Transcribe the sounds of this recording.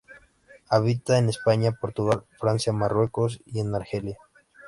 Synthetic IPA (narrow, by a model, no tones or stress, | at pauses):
aβ̞it̪aene̞spaɲapo̞ɾt̪uɣalfɾansjamarwe̞ko̞s̬ie̞naɾxe̞lja